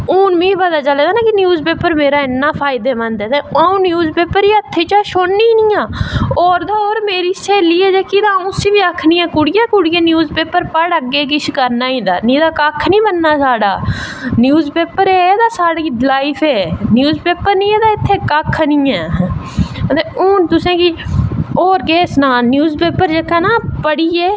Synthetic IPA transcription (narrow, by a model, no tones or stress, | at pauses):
uːnmĩːpəd̪aːt͡ʃəleːd̪aːnãːkɪnjuːzpeːpəɾmeːɾaːɪnːaːpʰaːɪd̪eːmənd̪eːt̪ẽaũːnjuːzpeːpəɾiət̪ʰːeːt͡ʃaːʃoːɳnːiːnĩːãːoːɾd̪aːoːɾmeːɾiːseːliːɛːd͡ʒeːkid̪aːũːsiːʋiːakʰnĩːɛ̃ːkʊɽɪjaːkʊɽɪjaːnjuːzpeːpəɾpəɽəɡːeːk̬ɪt͡ʃʰkəɾnaːĩːd̪a̰ːnĩːd̪aːkəkʰnĩːbənːaːsaːɽaːnjuːzpeːpəɾeːd̪aːsaːɽiːlaːiːfʰeːnjuːzpeːpəɾnĩːɛːd̪aːɪt̪ʰːeːkakʰnĩːɛː | t̪eʊ̃ːt̪ʊsẽːki | oːɾkeːsnaːnjuːzpeːpəɾd͡ʒekaːnaːpəɽiːeː